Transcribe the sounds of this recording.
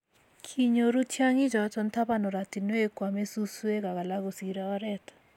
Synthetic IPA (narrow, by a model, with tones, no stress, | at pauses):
kʰi˨ɲo˨ɾu˦tʰja˦ŋi˦d͡ʒɔ˨t͡ʃɔ˦nt̪ʰa˦pa˦nɔ˨ɾa˨ti˨nwe˦kwa˨me˦su˦su˦e˦ka˨ɣa˨la˦ɡu˨si˨ɾa˦ɔ˦ɾɛt̪